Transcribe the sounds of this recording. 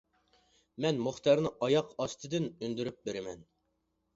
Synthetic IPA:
mɛnmuχt̪ʰɑɾnɨʔɑjɑqʰɑst̪ʰɨd̪ɨnynd̪yɾyp̚beɾɪmɛn

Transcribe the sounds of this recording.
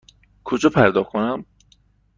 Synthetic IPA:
kʰod͡ʒɒːpʰæɾd̪ɒːχkʰonæm

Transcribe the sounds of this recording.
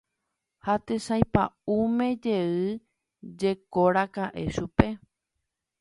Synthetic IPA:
hat̪esajpaumẽ̞d͡ʒe̞ɨ | d͡ʒe̞koɾakaʔe̞ʃupe̞

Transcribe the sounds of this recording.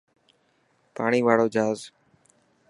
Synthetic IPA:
paːɳiːʋaːɽoːd͡ʒʱaːz

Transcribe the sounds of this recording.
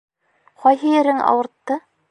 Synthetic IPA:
qɒjɦɤ̆jɘ̆ɾɘŋʔɑ̰wɤ̆ɾt̪ːɤ

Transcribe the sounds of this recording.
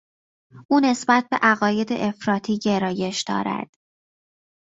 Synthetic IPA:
ʔuːne̞sbæt̪̚ʰbe̞ʔæɣɒːje̞d̪eʔefɾɒːt̪ʰiːɟe̞ɾɒːje̞ʃd̪̥ɒ̰ːɾæ̰d̪̥

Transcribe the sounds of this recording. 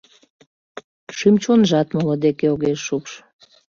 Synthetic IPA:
ʃymt͡ɕonʒɑt̪molod̪ekeoɣeʃːupʃ

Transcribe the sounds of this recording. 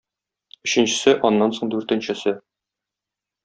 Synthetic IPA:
ɵ̆ɕɘ̆nɕɘ̆sɘʔɒnːɑnsoɴd̪ʉɾt̪ɘ̆nɕɘ̆sɘ

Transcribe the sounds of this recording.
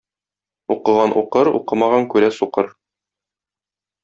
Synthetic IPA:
uqɤ̆ʁɑnʔṵqɤɾṵqɤmɑʁɑŋkʉɾæsuqɤɾ

